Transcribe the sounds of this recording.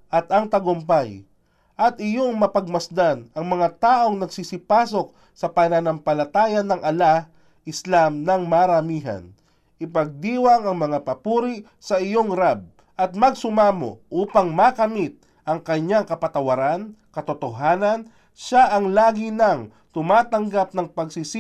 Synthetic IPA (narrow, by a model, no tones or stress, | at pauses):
ʔɐt̪ɐŋt̪ɐɡʊmpaj | ʔɐt̪ɪjo̞ŋmɐpɐɡ̚mɐsd̪anɐŋmɐŋat̪aːʔo̞ŋnɐɡsisɪpaːso̞k̚ | sɐpɐnɐnɐmpɐlɐt̪aːjɐnɐŋʔɐla | ʔɪslamnɐŋmaːɾɐmiːɦɐ̰n | ʔɪpɐɡ̚d̪iːwaŋɐŋmɐŋapɐpuːɾi | sɐʔɪjo̞ŋɾab̚ | ʔɐt̪̚mɐɡsʊmaːmo̰ʔuːpaŋmakɐmit̪̚ | ʔɐŋkɐɲːaŋkɐpɐt̪ɐwɐɾankɐt̪ot̪oɦaːnɐn | ʃaʔɐŋlaːɡinɐŋ | t̪ʊmaːt̪ɐŋɡap̚nɐŋpɐɡsis